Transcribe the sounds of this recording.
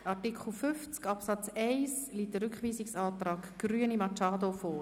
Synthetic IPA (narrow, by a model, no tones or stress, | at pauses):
ɑtikʰχl̩ˠfʏft͡skɑpsɑt͡sɛɪsliːtdəɾʏkχʋiːsɪksɑːt̪rɑːɡɡ̥ryənimɑt͡ʃɑːdofɔː